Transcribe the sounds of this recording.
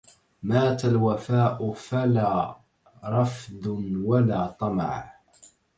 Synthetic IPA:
maːt̪alwafaːʔʊfalaː | ɾˤɑfd̪ʊnwalaːt̪ˤɑmɑ̰ʕ

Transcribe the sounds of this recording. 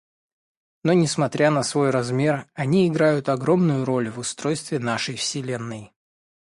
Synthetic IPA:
no̞nʲɪsmɐt̪ɾʲanəsvo̞jrɐzmʲe̞rɐnʲiɪɡɾajʊt̪ɐɡɾo̞mnʊjʊɾo̞lʲvʊst̪ɾo̞jst̪vʲɪnaʂɨjfsʲɪlʲe̞nːɨj

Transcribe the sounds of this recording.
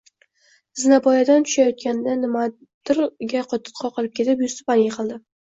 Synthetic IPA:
zɪnapɒjad̪ant̪ʰʊ̥ʃajɒt̪̚kʲʰanɪd̪anɪma | d̪̥ɪɾɡʲaqʰɒt̪ʰɨ̥t̪qʰɒqʰɨlˠɪp̚kʲʰe̞t̪ɪpjʊst̪ɪ̥panjʲeqʰɨlˠd̪ɪ

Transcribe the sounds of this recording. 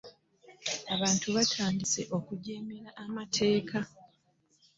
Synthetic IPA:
aβaːntʰuβatʰaːndise̞̰ʔo̞kuɟeːmeɾaʔːmatʰe̞ːka

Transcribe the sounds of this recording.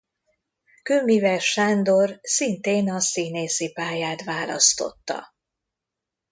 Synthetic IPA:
kømivɛʃaːnd̪o̞rsint̪eːnɒsiːneːsipaːjaːt̪ʋaːlɒ̰st̪o̞̰t̪ːɒ̰

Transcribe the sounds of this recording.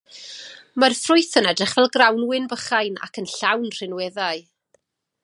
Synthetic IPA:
marfrʊɨθənɛdrɪχv̥ɛlˠɡrawnwɪnbəχajna̰kʰənɬawnr̥ɪnwɛðaɨ

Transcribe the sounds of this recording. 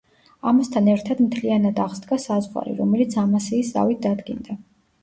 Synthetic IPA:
amast̪ʰanɛɾt̪ʰad̪mt̪ʰlianad̪aʁz̥d̪ɡasazʁa̰ɾḭɾɔmɛlit̪sʰamasiːsa̰vit̪̚d̪ad̪ɡind̪a

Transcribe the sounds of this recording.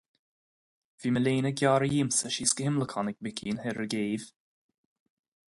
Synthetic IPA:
viːməleːnəɡjɑːɾəjiːmsəʃiskəhɪmləkʰɑnɪk̚bɪkʰiːnhɛɾəɡeːv̥

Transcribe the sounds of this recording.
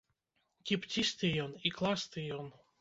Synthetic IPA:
kʲipt̪ʲist̪ɨjoniklˠast̪ɨjon

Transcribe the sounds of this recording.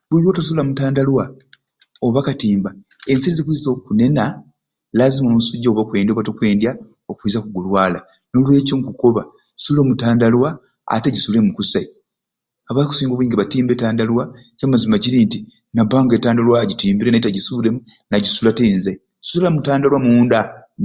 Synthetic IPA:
βuliβo̞ːtas̬ulamutaːndalwa | oβakatiːmba | e̞nsiɾizekuizokune̞na | lazimomusuɟːaoβokwe̞ːndioβatokwe̞ːndja | okwiːzakuɡulwaːla | no̞lwe̞ːcoŋkuko̞βa | suloːmutaːndalwa | a̰te̞ɟisule̞mukusai | aβaːaku̥siːŋɡoβuiːŋɡeβatiːmbetaːndalwacamazimaɟiɾinti | nabaːŋɡe̞ːtaːndalwaɟitiːmbiɾenaitaɟisuɾemu | naɟisulateːnzḁ | sullamutaːndalwamuːnda

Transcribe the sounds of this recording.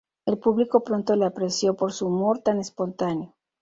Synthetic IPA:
e̞lpuβliko̞pɾo̞nt̪o̞leapɾesjo̞po̞ɾsuːmo̞ɾt̪anespo̞nt̪aneo̞

